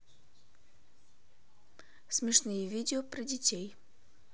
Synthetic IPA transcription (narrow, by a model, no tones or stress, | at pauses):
smʲɪʂnɨjəvʲidʲɪopɾədʲɪtʲej